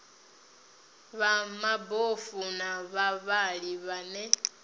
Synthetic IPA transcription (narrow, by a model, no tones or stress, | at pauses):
βamabofunaβaβaliβane